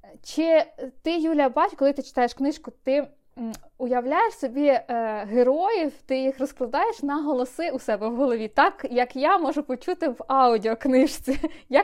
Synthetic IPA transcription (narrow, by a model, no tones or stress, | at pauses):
t͡ʃɪt̪ɪjulʲɐbɑt͡ʃʲkɔlˠɪt̪ɪt͡ʃɪ̥t̪ɑjeʃknɪʃkʊt̪ɪ | ʊjɐwlʲajeʃsɔbʲiɦeɾɔjiwt̪ɪjixrɔsklˠɐd̪ɑjeʃnɐɦɔlˠɔsɪʊsɛbɛwɦɔlˠɔʋʲit̪ɑkjɐkjamɔʒʊpɔt͡ʃut̪ɪʋɑʊdʲiɔknɪʃt͡sʲija